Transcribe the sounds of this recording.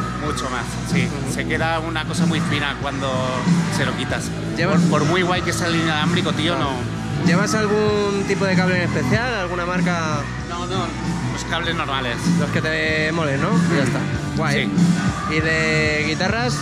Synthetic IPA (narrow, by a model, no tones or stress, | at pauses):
mut͡ʃoma̰sːi | se̞ke̞ðaunako̞samwjfinakwand̪ose̞lokit̪as | ɟ͡ʝeβaspoɾmwiɣwajkesealinjaðambɾikot̪iono | ɟ͡ʝe̞β̞asalɣ̞unt̪ipo̞ð̞ekaβlene̞spe̞θjalalɣunamaɾka | nono | poskaβle̞znoɾmale̞slo̞ske̞t̪e̞mo̞lenːo̞iʝast̪a | ɣwasji | iðe̞ɣ̞it̪aras